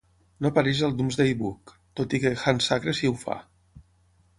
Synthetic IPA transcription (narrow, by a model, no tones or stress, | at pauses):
nopaɾɛʒəlˠd̪umzðeiβuk | t̪ot̪ikexansakɾesiwfa̰